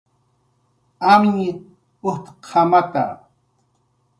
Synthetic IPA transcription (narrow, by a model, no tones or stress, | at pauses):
amɲɪt | ʊht̪qʰamat̪a̰